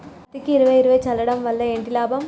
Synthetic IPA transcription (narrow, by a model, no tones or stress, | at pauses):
t̪ːɪkːɯɪɾɯʋɐɪɾɯʋɐɪt͡ʃɐlːɐɽɐmʋɐld̪ɐeɳɖilaːbɐm